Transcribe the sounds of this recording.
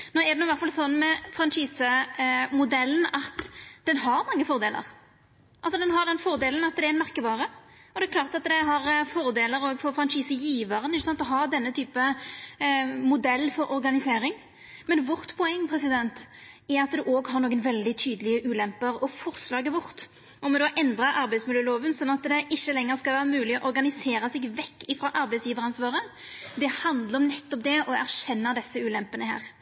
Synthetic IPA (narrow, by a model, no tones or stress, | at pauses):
noːɛʁd̪ɛnʊɪʋæʁt̪fɑlsɔnːmɛfɾɑnʂiːsəmʊd̪ɛlːən̩ɑt̪d̪̥ɛnɦɑɾmɑŋːəfɔɾd̪eːlʔə̰ʁ | ʔɑlsɔd̪ɛnɦɑɾd̪ɛnfɔɾd̪eːlən̩ɑt̪̚d̪ɛæɛnmæɾkəbɑːɾə | ɔd̪ɛɛkʰlɑːʁt̪ɑt̪d̪ɛɦɑɾfɔɾd̪eːləɾoːɡfɔɾfɾɑnʂiːsəjiːʋəɾənɪçːsɑnt̪ɔɦɑd̪ɛnːət̪ʰyːpə | mʊd̪ɛlːfɔɾʔɔɾɡɑnɪseːɾɪŋ | mɛnʋɔʁt̪pʰɔɛŋːpʰɾɛsɪd̪ɛnt̪ | ɛɾɑt̪d̪ʉʔoːɡhɑʁnoːɡənʋɛld̪ɪt̪ʰyːd̪əlɪəʔʉːlɛmpəɾɔfɔʁslɑːɡəʋɔʁt̪ | ɔmɔd̪oːʔɛnd̪ɾəʔɑɾbɛɪt̪smɪljøəːloːʋənsɔnːɑt̪d̪ɛʔɪçːəlɛŋːəɾskɑlʋæːɾəmʉːlɪɔʔɔɾɡɑnɪseːɾəsɛːɡʋɛkːɪfɾɑːʔɑɾbɛɪsjiːʋəɾɑnsʋɑːɾə | d̪ɛhɑnd̪ləɾɔmnɛt̪ːɔp̚d̪ɛʔɔæʁɕɛnːəd̪ɛsːəʉːlɛmpənəhæ̰ːʁ